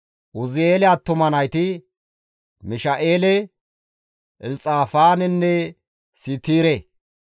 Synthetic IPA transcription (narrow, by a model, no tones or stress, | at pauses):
ʔʊzɪeːlɛat̪ːʊmɐnɐjt̪ɪ | mɪʃɐʔeːlɛ | ʔɪlt͡sʼaːfaːnɪnːɛ | siːt̪iːɾɛ